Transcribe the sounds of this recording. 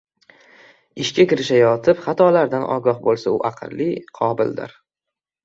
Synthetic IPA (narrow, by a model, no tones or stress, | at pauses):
ɪʃkʲakʲɪɾɪʃajɒt̪ʰɪpχat̪ʰɒlaɾd̪anʔɒ̰ɡɒχbolˠsaʊʔaqʰɨ̰lːɪqʰɒbɪ̰ld̪ɪ̰ɾ